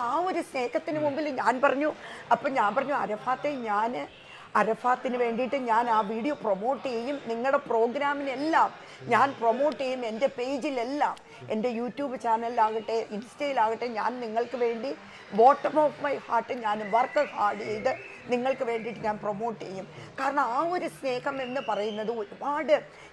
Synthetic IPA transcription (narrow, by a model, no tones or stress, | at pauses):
aːo̞ɾusne̞ːɣɐt̪ːinɨmumbilɲaːnpɐrɐɲːuɐpːoːɲaːnpɐrɐɲːuɐɾɐfaːt̪ːeɲaːnɨ | ɐɾɐfaːt̪ːinɨʋe̞ːɳɖiʈːɨɲaːnaːʋiːɽijopromo̞ːʈːɨjejumniŋːɐɭɨɽe̞pro̞ːɡɾaːmine̞lːaːm | ɲaːnpromo̞ːʈːejume̞nde̞pe̞ːd͡ʑile̞lːaːm | ende̞juːtːjuːbɨt͡ɕaːnɐlaːɣiʈːeʔinsi̥teːjilaːɣiʈːeɲa̰ːnniŋːɐɭkɨʋe̞ːɳɖi | bo̞ːʈːɐmoːfmɐjhaːʈːɨɲaːnʋɐrkːɨhaːɽijejðɨ | niŋːɐɭkɨʋe̞ːɳɖiʈːɨɲaːnpromo̞ːʈːɨejumkaːɾɐɳɐmaːo̞ɾusne̞ːhɐme̞nːɨpɐrɐjunːɐðɨo̞ɾubaːɽɨ